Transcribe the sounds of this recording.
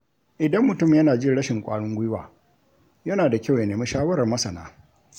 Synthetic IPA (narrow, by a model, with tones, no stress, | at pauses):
ʔɪ˨dɐ˦mːʊ˨tʊ˦m˨jɐ˦naː˨d͡ʒɪ˦ɽɐ˦ʃɪ˨ŋkʷʼaː˦ɽʊ˦ŋɡʷʊ˦wa̰ː˨ | jɐ˦naː˨da˨kʲa˦˨wja˨neː˨mi˦ʃaː˦wɐ˦ɾɐ˨rmɐ˦sɐ˨na̰ː˨˦